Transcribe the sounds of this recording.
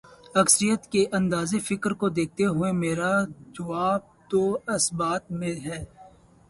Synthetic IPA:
ɐksəɾijət̪keʔɐ̃nd̪aːzefɪkɾkod̪eːk̚t̪eɦʊemeːɾad͡ʒɐʋaːb̚t̪oːɐsbaːt̪mẽɦɛː

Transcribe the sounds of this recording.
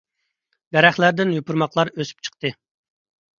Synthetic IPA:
d̪ɛɾæχlæɾd̪ɪnjupʰuɾmɑqlˠɑɾøsy̥p̚t͡ʃʰə̥q̚t̪ɨ

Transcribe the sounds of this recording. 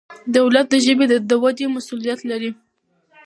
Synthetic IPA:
d̪awlat̪̚d̪əʒəbed̪əd̪əwad̪emasulijat̪laɾi

